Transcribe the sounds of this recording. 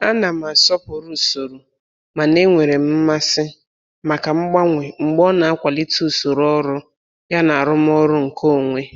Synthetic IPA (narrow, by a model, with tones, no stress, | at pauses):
a˦na˨m̩˨a˨sɔ˦po˨ɾu˦˨so˨ɾu˨ | ma˨ne˦ŋʷe˨ɾe˨m̩˦ma˦sɪ˦ | ma˨ka˨ŋ͡m̩˦ɡ͡ba˦ŋʷe˨ŋ͡m̩˨ɡ͡bɔ˦na˨a˦kʷa˨li˦tu˦˨so˨ɾɔ˦ɾʊ˦ | ja˦na˨a˨ɾʊ˦m˦ɔ˦ɾʊ˦ŋ̩˨kʰo˦˨ŋʷe˦